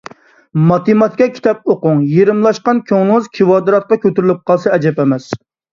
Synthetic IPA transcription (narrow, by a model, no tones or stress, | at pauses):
mɑt̪ʰɨmɑt̪kʲɛkʲʰi̥t̪ʰɑp̚oqʊŋjeɾɪmlˠɑʃqɑnkʲʰøŋɨzkʲʰiwɑːd̪ɨɾɑt̪̚qɑkʲøt̪yɾɪlɪp̚qʰɑlˠsɑɛd͡ʒɛpɛmɛs